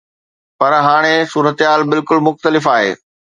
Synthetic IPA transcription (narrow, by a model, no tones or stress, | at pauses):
pɐɾɦaːɽ̃esuːɾət̪ɦaːlbɪlkʊlmʊxt̪əlɪfaːɦḛː